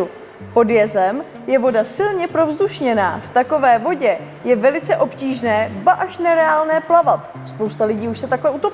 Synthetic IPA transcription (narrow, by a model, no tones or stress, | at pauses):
po̞djɛzɛm | jɛvo̞dasɪlɲɛpɾo̞vzduʃɲɛna̰ːft̪ako̞vɛːvo̞ɟɛ | jɛvɛlɪt͡sɛʔo̞pciːʒnɛːbaʔaʃnɛɾɛaːlnɛːplavat̪ | spowst̪alɪɟiːuʃsɛt̪aklɛut̪op